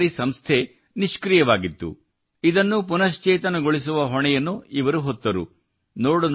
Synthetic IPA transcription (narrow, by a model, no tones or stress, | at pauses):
ɾisɐmst̪ʰe | niʃkɾijɐʋaːɡit̪ːṵ | id̪ɐnːupunɐʃt͡ʃeːt̪ɐnɐɡoɭis̬uʋɐɦɔɳɛjɐnːuiʋɐɾuɦɔt̪ːɐɾṵ | noːɽun